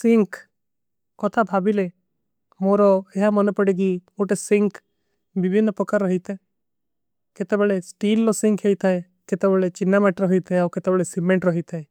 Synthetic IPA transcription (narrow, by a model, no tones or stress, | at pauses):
siŋk | kɔt̪ʰabʱabile | moɾɔeɦamɔnepəɽek̬ioʈesiŋk | bibʱinːəpɔkaɾːɔɦit̪ʰe | ket̪ebɛɭesʈiːlːɔsĩŋkɦejt̪ʰae | ket̪ebɛɭet͡ʃinːamaʈɾɔɦit̪ʰeaɾket̪ebɛɭesimeɳʈɾɔɦit̪ʰae